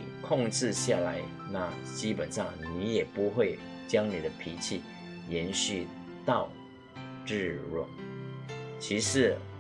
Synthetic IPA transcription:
kʰʊ˥˧ŋʈ͡ʂɻ̩˥˧ɕja˥˩la˧˥ɪ | na˥˩t͡ɕi˥pə˨˩nʂɑ˥˩ŋni˧˥jɛ˨˩pu˧˥xwe˥˩ɪ | t͡ɕjɑ˥ŋni˨˩d̪ə˦pʰi˧˥t͡ɕʰi˥˩ | jɛ˧˥nɕy˥˧ | t̪ɑ˥˧ʊ | ʈ͡ʂɻ̩˥˧ɻwɔ̰˥˩ | t͡ɕʰi˧˥ʂɻ̩˧˥

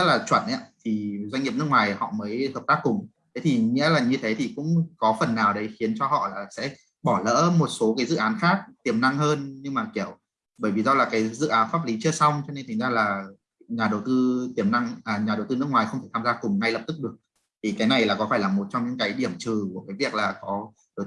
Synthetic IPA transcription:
zə˦˥t̚laː˨˩t͡ɕwə˧˩nʔa̰ː˨˦˥t̪ʰi˨˩zwa˧ŋi˨˩əp̚n˦˥k̚ŋwaː˨˩jhɔ̰˧˨məː˨˦jhəː˨˩p̚t̪aː˦˥kːʊ˨˩ŋ͡m | t̪ʰe˨˦t̪ʰi˨˩ŋḭ˧˥əlaː˨˩ɲɨ˧t̪ʰe˨˦t̪ʰi˨˩kʊ̰˧˥ŋ͡mkɔ˨˦fə˨˩nːaː˨˩wɗə˨˦jxi˨˦ənt͡ɕɔ˧hɔ̰˧˨laː˨˩sɛ̰˧˥ | ɓɔ˧˩lə̰ː˧˥mo˨˩t̚so˨˦kaː˨˦jzɨ̰˧˨ʔaː˨˦nxaː˦˥k̚t̪i˨˧˩əmna˧ŋhəː˧nɲɨ˧ŋmaː˨˩ki˧˩əw | ɓəː˧˩jvi˨˩zɔ˧laː˨˩kaː˨˦jzɨ̰˧˨ʔaː˨˦nfaː˦˥p̚li˨˦t͡ɕɨ˧əsa˧wŋ͡mt͡ɕɔ˧ne˧nt̪ʰa˨˩˦ŋzaː˧laː˨˩ | ɲaː˨˩ɗə˨˩wt̪ɨ˧t̪i˧˩əmna˧ŋʔaː˨˩ɲaː˨˩ɗə˨˩wt̪ɨ˧nɨ˦˥ək̚ŋwaː˨˩jxə˧wŋ͡mt̪e˧˩aː˧zaː˧kʊ˨˩ŋ͡mna˧jlə˨˩p̚t̪ɨ˦˥k̚ɗɨ˨˩ək̚ | t̪ʰi˨˩kaː˨˦jna˨˩jlaː˨˩kɔ˨˦faː˧˩jlaː˨˩mo˨˩t̚t͡ɕɔ˧ŋ͡mɲɨ̰˧˥ŋkaː˨˦jɗi˧˩əmt͡ɕɨ˨˩ku˧˩əkaː˨˦jvi˨˩ək̚laː˨˩kɔ˨˦˧

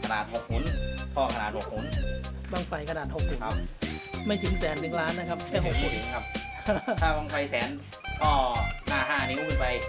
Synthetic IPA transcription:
kʰa˧naː˨˩t̪̚ho˨˩k̚hu˨˩˦npʰɔː˧˩kʰa˧naː˨˩t̪̚ho˨˩k̚hu˨˩˦n | baː˧ŋfa˨˩jkʰa˧naː˨˩t̪̚ho˨˩k̚hu˨˩a˧ma˥˩jt̪ʰɯ˩˦ŋsɛː˩˦nːɯ˨˩˦ŋɾaː˦˥nːa˦˧kʰa˦˥p̚tɛː˧˩ɦo˨˩t̪̚mu˧˩˨kʰa˦˥p̚ | tʰaː˥˩kɔ˧ŋkʰa˧˩jsɛː˩˦n | pʰɔː˧˩naː˥˩ɦaː˥˩ni˦˥wɯ˧˩pa˧j

